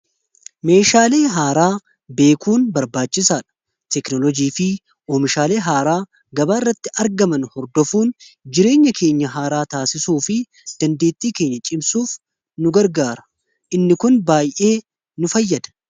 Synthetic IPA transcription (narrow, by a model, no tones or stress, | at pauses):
me̞ːʃaːle̞ːɦaːɾaː | be̞ːkuːnbɐɾbaːt͡ʃːɪsaːᶑɐ̥ | t̪ɛknɔlɔd͡ʒiːfɪ | oːmɪʃaːleːɦaːɾaː | ɡɐbaːɪrːɐt̪ːɪɐɾɡɐmɐnhɔɾd̪ɔfuːnd͡ʒɪɾe̞ːɲːɐkʰe̞ːɲːɐɦaːɾaːt̪aːsɪsuːfɪ | d̪̥ɐnd̪e̞ːt̪ːiːke̞ːɲːɐt͡ʃʼɪmsuːf | nʊɡɐɾɡaːɾɐ̥ | ʔɪnːɪkʊnbaːjʔe̞ː | nʊfɐjːɐd̪ɐ̥